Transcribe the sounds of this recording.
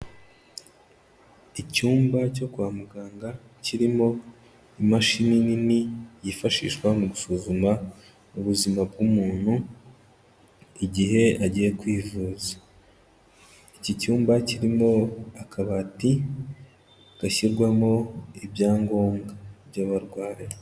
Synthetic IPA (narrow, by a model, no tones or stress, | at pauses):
icuːmbaco̞kuaːmuɡaːŋɡa | ciɾimo̞ | imaʃinininijifaʃḭːʃkwamuɡusuːzuma | uβuzimab̚ɡumuːn̥hu | iɟiɦe̞aɟije̞kwiːvuːzḁ | icicuːmbaciɾimo̞akʰaβati | ɡ̥açiɾɡwamo̞ibjaːŋɡo̞ːŋɡabjaβaɾɡwaːɾe